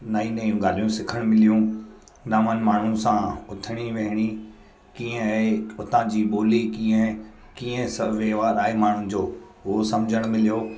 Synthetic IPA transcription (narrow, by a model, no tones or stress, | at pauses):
naːineijũɡaːl̤ijũsɪkʰəɽ̃mɪlijũ | naːmənɪ̆maːɳ̤ũsãʊt̪ʰəɽ̃iʋeɦɪɽ̃i | kiːə̃ʊt̪ãd͡ʑiːɓoːlikĩːə̃ | kĩːə̃sɐʋeɦʋaːɾaːɦemaːɳ̤ʊnɪ̆d͡ʑoː | ɦosɐmd͡ʑʱəɽ̃mɪlijoː